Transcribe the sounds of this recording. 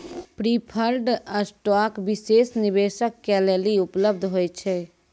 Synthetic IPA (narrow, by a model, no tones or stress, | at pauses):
pɾipʰəlɖasʈɔkbisesnibesəkːɛleliupləb̚d̪ʱɦojt͡ʃʰɛ